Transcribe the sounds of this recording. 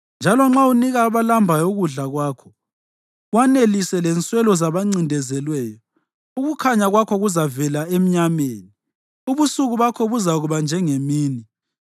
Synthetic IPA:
nd͡ʒʱalɔŋ͡ǁauniɣaβalambʱajɔoɣuɮaɣwaːkʰɔ̥ | wanelisɛlɛnt͡sʼwɛlɔzaβaŋ͡ǀindʱɛzɛlwɛːjɔ | uɣukʰaɲaɣwakʰɔɣuzavɛlaem̩ɲameːni | uβusuɣuβakʰɔβuzaɣuβand͡ʒʱɛŋemiːni

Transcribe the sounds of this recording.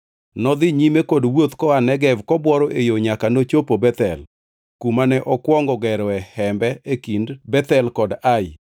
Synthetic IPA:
nɔd̪ɪɲimekodwot̪kɔanɛɡɛvkɔbwɔɾɔʔejoɲakanot͡ʃopobɛt̪ɛ̰l | kumanɛʔɔkwɔŋɡɔɡɛɾɔɛhɛmbɛʔekindbɛt̪ɛlkɔdaɪ

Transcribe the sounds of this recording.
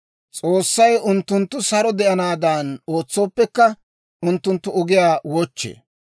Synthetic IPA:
t͡sʼoːsːɐjʊnt̪ːʊnt̪ːʊsɐɾɔd̪ɛʔɐnaːd̪ano̞ːt͡sːo̞ːpːɛkːɐ | ʊnt̪ːʊnt̪ːʊɔɡɪjaːwɔt͡ʃːḛː

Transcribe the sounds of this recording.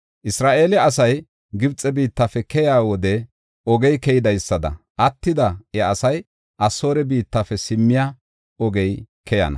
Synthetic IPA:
ʔɪsɾaːʔe̞ːlɪɐsɐj | ɡɪbt͡sʼɛbiːt̪ːafɛkɛjaːwɔd̪ɛ | ɔɡɛjkɛjɪd̪ɐjsːɐd̪ɐ̰ | ʔɐt̪ːɪd̪ɐɛɐsɐj | ʔɐso̞ːɾɛbiːt̪ːafɛsɪmːɪja | ɔɡɛjkʰɛjɐ̰nɐ̰

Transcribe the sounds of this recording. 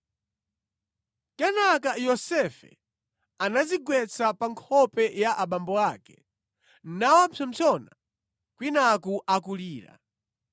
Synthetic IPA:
kɛnakajɔsɛfɛ̰ | anaziɡwɛt͡sapaŋkʰɔpɛjaʔaɓambɔakɛ̥ | nawampʰɔm̩t͡sʰɔna | kwinakuʔakuliːɾa̰

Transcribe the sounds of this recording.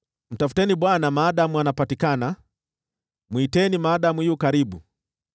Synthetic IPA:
m̩tafu̥tɛniɓwanamaːɗamuanapatikana | mwuitɛnimaːɗamujiukaɾiɓu

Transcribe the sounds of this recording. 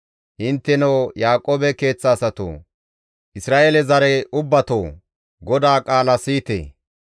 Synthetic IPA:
ʔɪnt̪ːɛnɐwjaːkʼːoːbɛke̞ːt͡sːɐːsɐt̪o̰ː | ʔɪsɾaːʔelɛzɐɾɛʔʊbːɐt̪oː | ɡɔd̪aːkʼaːlɐsiːt̪ḛː

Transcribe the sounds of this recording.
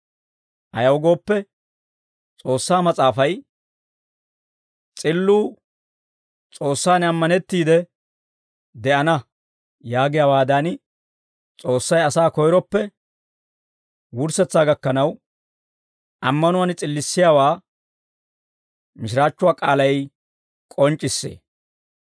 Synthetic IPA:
ʔɐjɐwɔɡo̞ːpːɛ | t͡sʼo̞ːsːaːmɐt͡sʼaːfɐj | t͡sʼɪlːuː | t͡sʼo̞ːsːaːnɐmːɐnɛt̪ːiːd̪ɛ | d̪ɛʔɐnɐ | jaːɡɪjaːwaːd̪ɐn | t͡sʼo̞ːsːɐjɐsaːkɔjɾɔpːɛ | wʊɾsɛt͡sːaːɡɐkːɐnɐw | ʔɐmːɐnʊwant͡sʼɪlːɪsːɪjaːwaː | mɪʃɪɾaːt͡ʃːʊwaːkʼaːlɐj | kʼɔnt͡ʃʼːɪsːḛː

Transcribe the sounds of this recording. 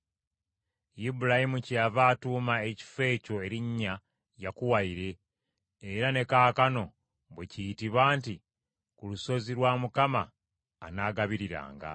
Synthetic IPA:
jibuɾajimuciavaːtuːmae̞ci̥fe̞ːco̞e̞ɾiɲːa | jakuwaiɾe̞ː | ɾane̞kaːkano̞ | βwecijitiβaːnti | kuluso̞ziɾwaːmukamaː | naːɡaβiɾiɾa̰ːŋɡa̰

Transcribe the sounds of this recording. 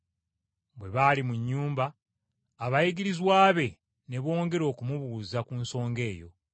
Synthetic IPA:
bwe̞βaːlimuɲːuːmbaː | βajiɡiɾizwaːβe̞ | ne̞βo̞ːŋɡe̞ɾo̞ːkumuβuzakunso̞ːŋɡe̞ːjo̞̰

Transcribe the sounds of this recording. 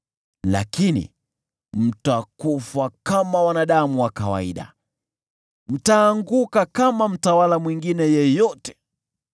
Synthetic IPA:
la̰kinḭ | m̩takufwakamawanaɗamuwakawa̰iɗa̰ | m̩taːŋɡukakamam̩tawalamwiŋɡinɛjɛjɔtɛ̥

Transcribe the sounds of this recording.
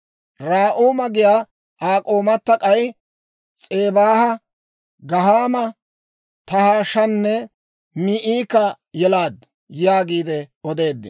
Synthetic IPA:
ɾaːʔuːmɐɡɪjaː | ʔaːkʼoːmɐt̪ːɐkʼɐj | t͡sʼe̞ːbaːhɐ | ɡɐɦaːmɐ | t̪ɐhaːʃɐnːɛ | miʔiːkɐ | jɛlaːd̪ | jaːɡiːd̪ɛɔd̪e̞ːd̪ːɪ̰

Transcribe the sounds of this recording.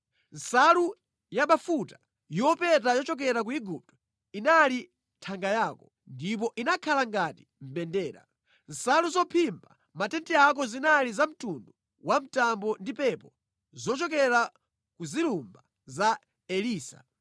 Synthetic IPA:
n̩salu | jaɓafutḁ | jɔpɛtajɔt͡ʃɔk̬ɛɾak̬uiɡup̚tɔ̥ | inali | tʰaŋɡajaːkɔ | ndip̬ɔʔinakʰalaŋɡati̥m̩bɛndɛːɾa̰ | n̩saluzɔpʰimba | matɛntiakɔzinalizam̩tundu | wam̩tambɔndipɛpɔ | zɔt͡ʃɔkɛɾa | kuzilumba | za | ɛliːsa̰

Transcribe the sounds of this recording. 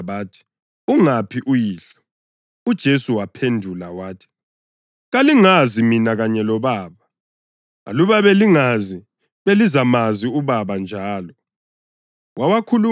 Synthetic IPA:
βaːtʰi̥ | uŋapʰiʔujiːɬɔ̥ | ud̥ʒ̥ʱesuwapʰendʱulawaːtʰi̥ | ɣaliŋaziminaɣaɲɛlɔβaːβa̰ː | luβaβeliŋazi | βelizamaziuβaβand͡ʒʱaːlɔ | wʔawakʰulu

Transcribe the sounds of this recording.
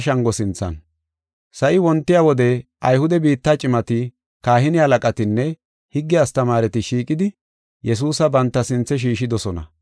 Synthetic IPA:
ʃɐŋɡɔsɪnt͡sːɐ̰n | sɐʔɪwɔnt̪ːɪjaːwɔd̪ɛʔɐjhʊd̪ɛbiːt̪ːaːt͡ʃʼɪmɐt̪ɪ | kaːɦɪnɪɐlɐkʼɐt̪ɪnːɛ | hɪɡːɪjast̪ɐmaːɾɛt̪ɪʃiːkʼɪd̪ɪ | jɛs̬uːsɐbɐnt̪ːɐsɪnt͡sːɛʃ̬iːʃɪd̪ɔsɔnɐ̰

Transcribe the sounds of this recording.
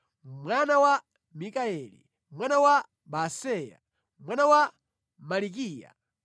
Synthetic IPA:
mwanawa | mikaɛlḭ | mwanawa | basɛja̰ | mwanawa | malik̬iːja̰

